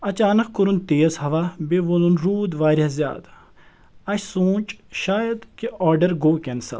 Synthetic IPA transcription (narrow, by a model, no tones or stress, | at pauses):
ɐt͡ʃaːnɐkkuɾunt̪eːzhɐʋabeʋolunɾuːd̪ʋaːɾʲɐzʲja̰ːd̪ | ɐɕʲsuːt͡ʃʃaːjɐd̪kiɔːɾɖɐɾɡoːkʲensɐ̰l